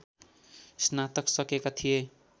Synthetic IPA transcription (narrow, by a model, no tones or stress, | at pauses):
snat̪ʌksʌkekat̪ʰije